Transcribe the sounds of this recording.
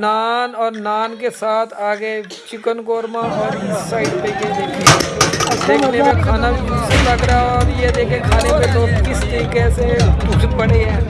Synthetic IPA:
naːnɔːɾnaːnkesaːt̪ʰaːɡe | t͡ʃɪkənkoːɾmãɔːɾsaːɪʈpeked̪eːkʰẽ | d̪eːkʰnepekʰaːnabslɐɡɾaɔːɾjed̪eːkʰẽkʰaːnepeloːɡkɪst̪əɾikesed̪ʊd͡ʒpɐɽeɦɛ̃ː

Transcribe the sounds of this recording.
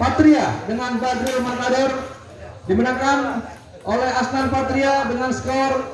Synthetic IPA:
pat̪ɾiadəŋanbadɾilumanmadɔr | dimənaŋkan | ʔolɛhasnanpat̪ɾiadəŋansə̥kɔr

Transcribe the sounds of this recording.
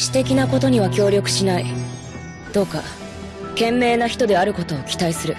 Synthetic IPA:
ɕi̥t̪e̞kʲinako̞t̪o̞ɲ̟iβ̞akʲo̞ːɾʲjo̞kɯ̟̥ɕinai | d̪̥o̞ːka̰ | kẽ̞mːe̞ːnaçi̥t̪o̞d̪e̞aɾɯ̟ko̞t̪o̞ːkʲi̥t̪aisɨɾɯ̟

